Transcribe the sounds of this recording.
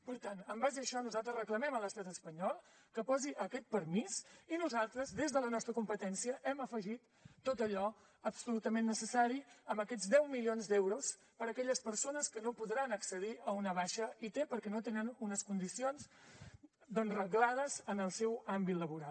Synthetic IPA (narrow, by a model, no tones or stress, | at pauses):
pəɾt̪anəmbazəəʃɔnuzalˠt̪ɾəzrəkləmɛmələst̪at̪əspəɲɔlˠ | kəpɔziʔəkɛt̪̚pəɾmisinuzalˠt̪ɾəzðezðələnɔst̪ɾəkumpət̪ɛnsiəʔɛməfəʒit̪ː | ot̪əʎɔ | əpsulut̪əmenːəsəsaɾiəmbəkɛzd̪ɛwmilionzd̪ɛwɾus | pəɾəkɛʎəspəɾsonəskənopuðɾanəksəðiəunəβaʃəit̪epəɾkɛnot̪enənunəskund̪isionz | d̪ənrəɣlaðəzənəlˠsɛwambit̪ləβuɾalˠ